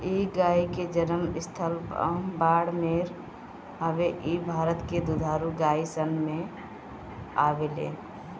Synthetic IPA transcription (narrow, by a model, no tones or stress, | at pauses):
iɡaːiked͡ʒənəmɪst̪ʰəlbaːɽmeɾ | ɦəbeʔibʱaːɾət̪ked̪ud̪ʱaːɾuɡaisənme | a̰belḛ